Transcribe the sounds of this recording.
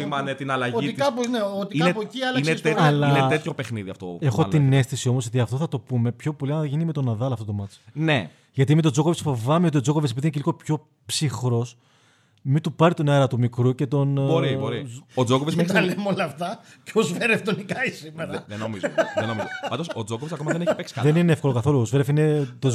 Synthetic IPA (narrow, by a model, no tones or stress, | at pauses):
imɐnet̪inɐlɐʝoit̪ikɐpozneot̪iiknepociɐlɐinet̪et̪ːlɐineet̪çope̞xniðiɐft̪oexoine̞st̪isio̞mosot̪iɐft̪oθɐt̪o̞pume̞pço̞po̞liɐnʝinimet̪o̞nɐðɐlɐft̪ot̪o̞mɐt͡sne | ʝɐt̪imet̪o̞d͡zo̞kovesfo̞vɐmeo̞t̪io̞d͡zo̞kovesepiðineceliɣo̞pço̞ | psixɾo̞s | mit̪upɐɾit̪oneɾɐt̪umikɾuce̞t̪o̞nboɾiboɾiod͡zokovesmesɐlemolɐːft̪ɐceozveɾeft̪onikɐisimeɾɐðenomizðenomizoɐnd̪osod͡zokovesɐkoɐðeneçipeksi̥kɐðenineefko̞lokɐθo̞luozveɾefinet̪o